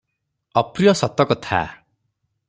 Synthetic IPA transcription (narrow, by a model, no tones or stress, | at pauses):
ɔpɾijɔsɔt̪ɔkɔt̪ʰa̰